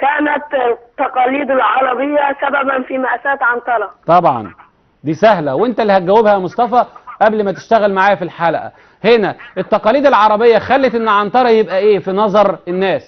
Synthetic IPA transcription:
kæːnæt̪t̪ːɑqɑːliːd̪elʕɑɾˤɑbejːasæbæbænfiːmæʔæsæːt̪ʕɑnt̪ˤɑɾˤɑt̪ˤɑbʕɑ̰n | d̪iːsæhlæwʔent̪ælːihæt̪̚ɡæwːebhæmosˤt̪ˤɑfɑʔæblmæt̪e̥ʃt̪æɣælmaʕaːjæfilħalæ̰ʔæ̰ | henæʔet̪ːɑqɑːliːd̪elʕɑɾˤɑbejːæxælːet̪ʔenːʕɑnt̪ˤɑɾˤɑjebʔæʔeːfinɑzˤɑɾˤenːæːs

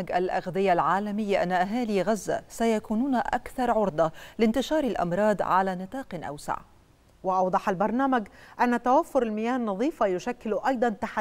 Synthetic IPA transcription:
ɡʔalʔaɣðɪjːalʕaːlamɪjːaʔa̰nːaʔaɦaːliɣazːa̰sajakuːnuːnʔakθɑɾˤʕʊɾd̪ˤɑlɪnt̪ɪʃɑːɾˤalʔɑ̰mɾˤɑːd̪ˤʕalaːnɨt̪ˤɑːqnʔa̰wsa̰ʕ | wɪʔɑwd̪ˤɑħalbɑɾˤnaːmaɡʔanːat̪awafːʊɾalmɪjaːnːɑðˤiːfajʊʃakːɪlʔɑjd̪ˤɑnt̪aħ

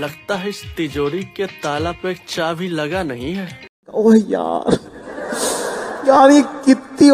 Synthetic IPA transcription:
lɐɡt̪aɦɛɪst̪ɪd͡ʒoːɾiket̪aːlapeːk̚t͡ʃaːbʱilɐɡanɐɦĩɦɛː | oːɦja̰ːɾ | jaːɾjekɪt̪ːi

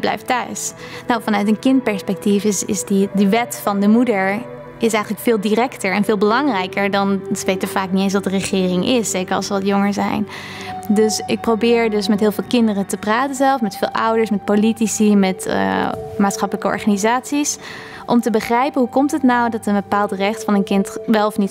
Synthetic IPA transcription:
blɛ̰jftœ̰ɥsnawfɑnœɥtənkɪnt̚pɛɹspɛk̚tifɪsɪsdidəʋɛtfɑndəmudəɹ | ɪsɛjχənləkfɪːlˠdiɾɛktəɹɛnvɪːlˠbəlɑŋrɛjkəɹdɑntʋejtəvaːk̚nitejnsʋɑtdərəχɪːrɪŋɪsːejkəɹɑ̰lˠsəʋɑtjoŋəɹzɛ̰jn | dɵsɪk̚prowbɪːɹdɵsmɛtɦɪːlˠvɪːlˠkɪndərətəpraːtənzɛlˠsmɛtfɪːlˠʔʌ̰wdəɹsmɛt̚politisimɛtːmaːtsχɑpələkəɔ̰ɹχaːnizaːtsis | ʔɔmtəbəχrɛjpənɦukɔmtɦətnawdɑtənbəpaːlˠtrɛχtfɑnənkɪntʋɛlˠɔfnit

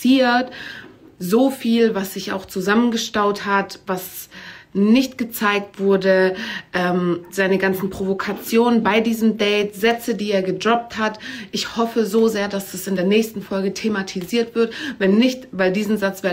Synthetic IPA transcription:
iːɐt | zoːfiːlvasz̥ɪça̰ʊxt͡suzamənɡəʃtaʊthatv̥as | nɪçtɡ̥ət͡saɪk̚tv̥ʊɐdəʔɛːmz̥aɪnəɡant͡sn̩pʁ̥ovokʰat͡sjoːnənbaɪdiːzəmdɛɪtz̥ɛt͡sədiːeːɐɡədʁɔp̚thatʔɪçhɔfəzoːzeːɐdasd̥asɪndeːɐnɛːçstn̩fɔlɡətʰematʰiziːɐtv̥ɪɐtvɛnːɪçtvaɪldiːzn̩zat͡sv̥eː

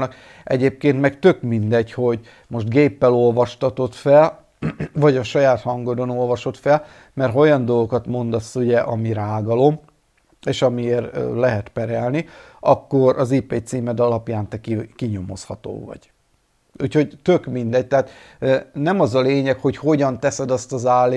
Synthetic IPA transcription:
nɒk | ɛɟeːp̚keːnt̪mɛkt̪ø̞kmind̪ɛɟho̞ɟ | mo̞ʃt̪ɡeːpːɛlo̞lvɒʃt̪ɒt̪o̞t̪fɛl | vɒɟɒʃɒjaːt̪hɒŋɡo̞d̪o̞no̞lvɒʃo̞t̪fɛl | mɛrɦɒo̞jɒnd̪o̞lɡo̞kɒt̪mo̞nd̪ɒsːuɟɛʔɒmiɾaːɡɒlo̞m | eːʃɒmieːrlɛɦɛt̪pɛɾɛlni | ɒkːo̞ɾʔɒzipeːt̪siːmɛd̪ɒlɒpjaːnt̪ɛkikiɲo̞mo̞̰shɒt̪o̰ːvɒ̰ɟ̥ | uːcho̞ɟt̪ø̞kmind̪ɛc̚t̪ɛɦaːt̪ː | nɛmɒzɒleːɲɛkho̞cho̞ɟɒnt̪ɛsɛd̪ɒst̪ɒzaːlːe

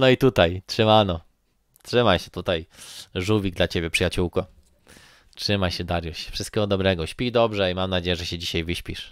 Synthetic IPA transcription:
nɔit̪ut̪ajtʂɘmanɔ | tʂɘmajɕɛt̪ut̪ajʐuvʲiɡ̚d̪lat͡ɕebʲjɛpʂɨjat͡ɕuwkɔ | tʂɘmajɕɛd̪aɾjuɕfʂɨst̪kʲɛɡɔd̪ɔbɾɛɡɔɕpʲijd̪ɔbʐɛimamnad͡ʑejɛʐɛɕɛd͡ʑiɕajvɘɕpʲiʂ

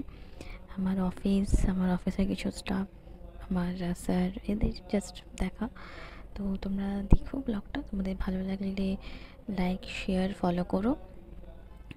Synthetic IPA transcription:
amaɾɔfisamaɾɔfiseɾkit͡ɕʰusʈapamaɾsaɾed̪eɾd͡ʒɐsʈd̪ɛkʰat̪ot̪omɾad̪ekʰoblɔkʈat̪omad̪eɾbʱalobɛlaɡle | lajkʃeəɾfɔlokɔɾo

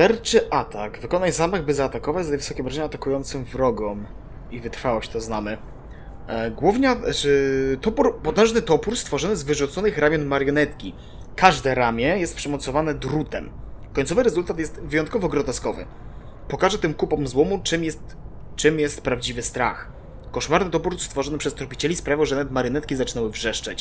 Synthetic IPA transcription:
ʂɛɾt͡ʂɘʔat̪aɡvɘkɔnajzamaɣbɘzaːt̪akɔvad͡ʑzat̪ɛvɘsɔkʲɛbɾaʐɛɲaːt̪akujɔnt̪sɨmvɾɔɡɔm | ivɘt̪ɾfawɔɕt͡ɕt̪ɔznamɘ | ɡwuvɲa | t̪ɔpuɾpɔt̪ɛ̃ʐnɘt̪ɔpuɾst̪fɔʐɔnɘzvɘʐut̪sɔnɘxɾamʲjɔnmaɾjɔnɛt̪kʲi | kaʐd̪ɛɾamʲjɛjɛst̪̚pʂɛmɔt̪sɔvanɛd̪ɾut̪ɛmkɔɲʲt̪sɔvɘɾɛzult̪at̪̬jɛst̪vɘjɔnt̪kɔvɔɡɾɔt̪ɛskɔvɘ̰ | pɔkaʐɛt̪ɘmkupɔmzwɔmut͡ʂɘmjɛst̪ | t͡ʂɘmjɛst̪pɾavd͡ʑivɘst̪ɾa̰x | kɔʂmaɾnɘt̪ɔpuɾst̪fɔʐɔnɘpʂɛst̪ɔɾpʲit͡ɕɛlʲispɾavʲjiwʐɛnavɛt̪maɾjɔnɛt̪̚kʲizat͡ʂɘnawɘvʐɛʂt͡ʂat͡ɕ

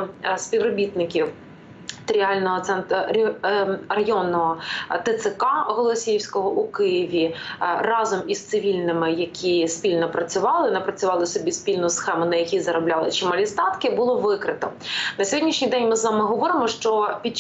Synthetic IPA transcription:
sʲpʲiwrɔbʲit̪nɪkʲiw | t̪ɾʲiɑlʲnɔɦɔt̪sɛnt̪ɔ | rɐjɔnːɔɦɔt̪ɪt̪sɪkɑɦɔlˠɔsʲijiwsʲkɔɦɔʔukɪjiʋʲirɑzɔmist̪sɪʋʲilʲnɪmɪjɐkʲʰispʲilʲnɔpɾɐt͡sʲʊʋɑlˠɪnɐpɾɐt͡sʲʊʋɑlˠɪsɔbʲispʲilʲnʊjsxɛmʊnɐjɐkʲizɐɾɔblʲɑlˠɪt͡ʃɪmɐlʲist̪ɑt̪kɪbʊlˠɔʋɪkɾɪt̪ɔnɐsʲɔɦɔdʲnʲiʃnʲijd̪ɛnʲmɪzʋamɪɦɔʋɔɾɪmɔʃt͡ʃɔpʲit͡ʃ

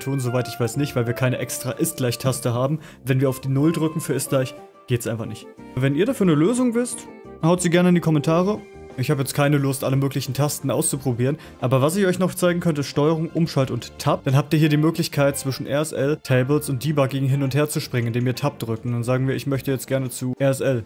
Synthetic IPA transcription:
tʰuːnzovaɪtɪçv̥aɪsnɪçtv̥aɪlviːɐkʰaɪnəʔɛkstʁ̥aːʔɪst̚ɡ̥laɪçtʰastəɦaːbm̩ | vɛnviɐaʊfd̥iːnʊldʁʏkŋ̩fyːɐɪst̚ɡ̥laɪç | ɡ̥eːtəsʔaɪnfaχnɪçt | vɛniːɐɾafyːɐnəløːzʊŋvɪst | haʊtz̥iːɡɛɐnəandiːkʰɔmɛntʰaːʁə | ʔɪçhaːbəjɛt͡stkʰaɪnəlʊstʔaləmøːklɪçn̩tʰastn̩ʔa̰ʊst͡supʁ̥obiːʁən | ʔaːbɐvas̬ɪçɔʏçnɔχt͡saɪɡŋ̩kʰœnt̬əɪstʃtɔʏəʁ̞ʊŋʔʊmʃaltʊnttʰːap̚d̥anɦaːptiːɐɦiːɐɾiːmøːklɪçkʰaɪt̚t͡sv̥ɪʃn̩ʔɛ̰ɛsʔɛltʰeɪbl̩sʊnt̚d̥iːbaɡɪɡŋ̩ɦɪnʊntheːɐt͡suʃpʁ̥ɪŋənɪndeːmviːɐtʰap̚d̥ʁʏk̚tn̩d̥anzaːɡŋ̩viːɐɪçmœçtəjɛt͡stɡ̥ɛɐnət͡suʔɛɛsʔɛl

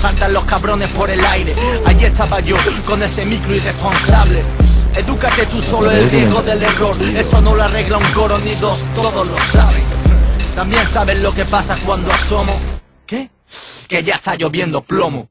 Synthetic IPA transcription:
salt̪anlo̞skaβɾo̞ne̞spo̞ɾe̞lajɾe̞aʝiest̪aβaʝo̞ko̞ne̞se̞mikɾuirespo̞nsaβle̞eðukat̪e̞t̪uso̞loeldjeɣo̞ðelero̞ɾe̞st̪o̞no̞lare̞ɣlauŋko̞ɾoniðo̞st̪o̞ðolo̞saβeŋt̪ambje̞nsaβe̞zlo̞ke̞pasakwand̪oaso̞mo | ke | ke̞ʝaest̪aʝo̞βje̞nd̪o̞plo̞mo

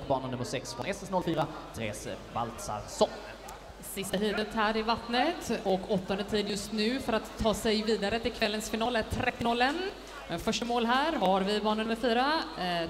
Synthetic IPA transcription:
bɑːɳənɵmːəɾʂɛksfɾɔnɛsɛsnɔlfyːɾat̪ʰɾḛːsva̰lt̪sa̰ɾsɔn | sɪst̪aɦyːd̪ət̪hæːɾɪvat̪nət̪ɔkɔt̪ːɔnd̪ət̪ʰiːd̪jɵst̪nʉ̟ːfœɾat̪ʰːɑːsɛjviːd̪aɾət̪ɪlkʰvɛlːənsfɪnɑːlæɾʈʰɾɛt̪ːɪnɔlːən | ɛfœʂʈamoːlɦæːɾɦaɾvɪbɑːɳənɵmːəɾfyːɾa

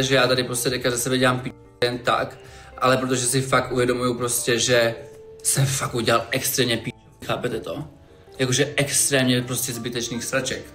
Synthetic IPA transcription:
ʒɛjaːt̪adɪpɾoscɛdɛkazasɛbɛɟɛlaːmpi | jɛnt̪a̰kʔalɛpɾot̪oʒɛsɪfak̚t̪ʔuvjɛdomujupɾoscɛʒɛsɛfakuɟɛlalʔɛkst̪ɾɛːmɲɛpi | xaːpɛt̪ɛt̪o | jakoʒɛʔɛkst̪ɾɛːmɲɛpɾoscɛzbɪt̪ɛt͡ʃniːxst̪ɾat͡ʃɛk

